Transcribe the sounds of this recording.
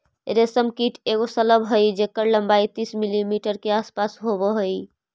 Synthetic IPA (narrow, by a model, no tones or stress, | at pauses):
ɾesəmkiʈʰeɣosələbɦəjd͡ʒekːəɾləmbait̪ismilimiʈəɾkeaspasɦobəɦoj